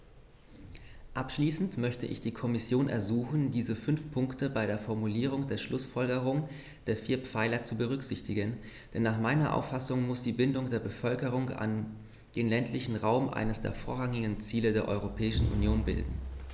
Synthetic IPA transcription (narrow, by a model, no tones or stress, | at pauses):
ʔapʃliːsn̩tmœçtə̰ʔɪ̰çd̥iːkʰɔmɪsjoːnʔɛ̰ɐzuːxn̩diːzəfʏnfpʰʊŋktəbaɪɾeːɐfɔɐmuliːʁ̞ʊŋdeːɐʃlʊsfɔlɡəʁ̞ʊŋ | d̥eːɐfiːɐpp͡faɪlɐt͡subəʁʏkz̥ɪçtɪɡən | d̥ɛnːaːχmaɪnɐʔa̰ʊfasʊŋmʊsd̥iːbɪndʊŋdeːɐbəfœlkəʁ̞ʊŋa̰n | d̥eːnlɛntʰlɪçn̩ʁaʊmʔa̰ɪnəsd̥ḛːɐfo̰ːɐʁaŋɪɡn̩t͡siːlədeːɐʔɔ̰ʏʁ̞opʰɛːɪʃn̩ʔṵnjoːnbɪ̰ldn̩